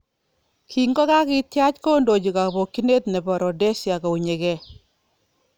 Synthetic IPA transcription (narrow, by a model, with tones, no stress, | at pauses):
kʰi˨ŋɡɔ˦ka˦kɪ˦tja˦t͡ʃko˦ndo˨d͡ʒi˨ka˨bo˨kːi˦ne˦t̪ne˨bɔ˨ɾɔ˨dɛ˦sja˨kɔ˨u˨ɲe˨kɛ˦˨